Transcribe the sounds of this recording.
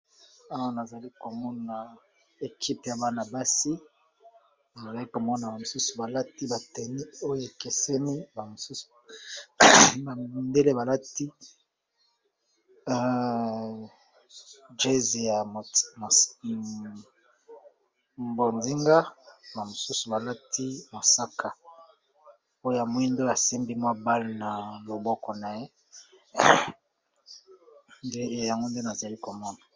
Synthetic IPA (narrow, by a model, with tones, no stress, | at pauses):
a˦wa˦na˨za˨li˦ko˨mɔ˦na˨ | e˨kʰi˦pe˨ja˨ba˦na˨ba˦si˦ | na˨za˨li˦ko˨mɔ˦na˨ba˨mo˨su˦su˨ba˨la˦ti˦ba˨tɛ˨ni˦o˦jo˨e˨ke˨se˦ni˦ba˨mo˨su˦su̥˨ | ba˨mmi˨nde˦le˦ba˨la˦ti˦ | d͡ʒe˦ze˨ja˨m˨ | mbo˨nzi˦ŋɡa˦ba˨mo˨su˦su˨ba˨la˦tʰi˦mo˨sa˦kʰa˨ | o˦jja˨mwi˦ndo˦a˨si˦mbi˦mwa˦ba˦lna˨lo˨bɔ˦kɔ˨na˨je˦˨ | ja˨ŋɡo˦nde˦na˨za˨li˦ko˨mɔ˦na˨